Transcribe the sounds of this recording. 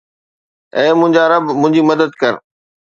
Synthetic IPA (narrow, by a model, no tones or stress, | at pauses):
ɛ̃ːmʊ̃ɦɪ̃ɲd͡ʑaɾɐbmʊ̃ɦɪ̃ɲd͡ʑimɐd̪əd̪kɐɾ